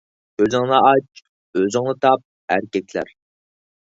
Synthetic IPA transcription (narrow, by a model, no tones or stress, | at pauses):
øzɨŋlˠɑɑt͡ʃ | øzɨŋlˠɨt̪ʰɑp̚ | æɾkʲɛkʲʰlæ̰ɾ